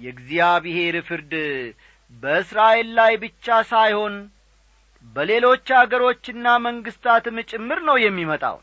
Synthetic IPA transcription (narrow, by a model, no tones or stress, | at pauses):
jɛɡzijaβihe̞ɾfɨɾd̪ | bəɨsɾaʔe̞lːajbɨt͡ʃːasajho̞n | bəle̞lo̞t͡ʃːhaɡəɾo̞t͡ʃːɪnːaməŋɡɨst̪ʰat̪mɨt͡ʃʼɪmːɨɾnəwjɛmːimət̪ʼa̰wn